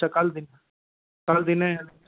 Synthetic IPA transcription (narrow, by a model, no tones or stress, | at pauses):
akald̪ɪn | kald̪ɪn